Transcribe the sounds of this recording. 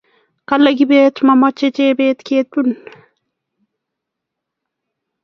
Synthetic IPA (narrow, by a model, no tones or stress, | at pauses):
kalaɡibeːt͡ʃmamat͡ʃːet͡ʃeːbeːt̪keːt̪un